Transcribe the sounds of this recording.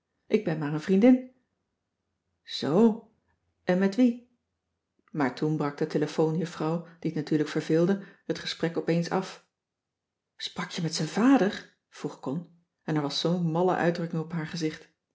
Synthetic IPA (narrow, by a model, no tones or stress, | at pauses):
ʔɪɡ̚bɛnmaːrənvrindɪn | z̥ow | ʔɛnmɛtʋi | maːɹtunbrɑk̚d̥əteləfownjəfrɑwd̥iətnatyːɹləkfəɹvɪːlˠdəhətχə̥sprɛkɔpejnsɑf | sprɑkjəmɛtsənvaːdəɹ | v̥ruχkɔn | ɛnɛɹʋɑsownmɑlə̰ʔœ̰ɥdrɵkɪŋɔpɦaːɹχəzɪχt